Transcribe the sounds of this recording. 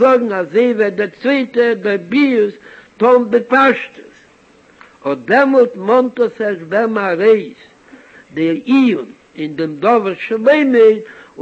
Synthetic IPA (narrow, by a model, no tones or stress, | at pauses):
ɔɡŋ̩azeɪvɛdɪɾt͡sveɪtədɪɾbiːstɔndɪpaʃtə̥s | ɔdɛmɔlˠtmɔntəsɛsdɛmaɾeɪs | dɪiʊn | ɪndɪmdɔvəɾʃlˠeɪmɪ